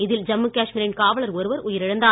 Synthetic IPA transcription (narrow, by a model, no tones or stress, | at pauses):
ɪðɪld͡ʒɐmːɯkaːʂmiːɾɪnkaːʋɐɭɐɾɔɾɯʋɐɾʊjɪɾɪɽɐnd̪aː